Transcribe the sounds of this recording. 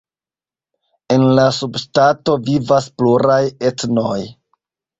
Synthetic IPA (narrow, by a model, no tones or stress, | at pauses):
e̞nlasubstato̞vivaspluɾaje̞tno̞j